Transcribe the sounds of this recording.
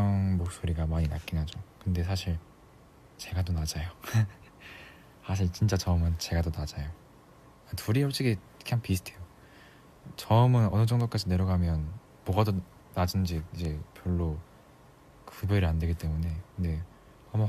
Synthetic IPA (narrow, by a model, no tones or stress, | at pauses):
ŋmok̚s͈oɾiɡamaɲinak͈inɦad͡ʑokɯnde̞s̬ʰaɕʰiɭ | t͡ɕe̞ɡadonad͡ʑajo | sʰaɕʰiɭt͡ɕint͡ɕ͈at͡ɕʌmɯnt͡ɕe̞ɡadonad͡ʑajo | atʰuɾioɭt͡ɕ͈iɡi̥ | kʰeɦanpisʰtʰejo | t͡ɕʌmɯnʌnɯd͡ʑʌŋdok͈ad͡ʑine̞ɾʌɡamjʌn | mwʌɡado | nad͡ʑind͡ʑiid͡ʑe̞pjʌɭːo | kɯbeɾɯɭandwe̞ɡit͈e̞mune̞kɯnde̞ | ʌm